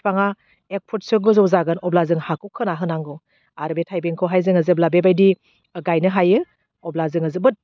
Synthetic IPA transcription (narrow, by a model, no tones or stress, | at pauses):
pʰaŋa | ek̚pʰut̚sɯɡɯzowzaɡɯnɔblazɯŋhakʰɯkʰɯnaɦɯnaŋɡɯw | aɾbetʰajbeŋkʰɯwɦajzɯŋazɯblabebajdi | ɡajnɯɦajɯ | ɔblazɯŋazɯbɯt̚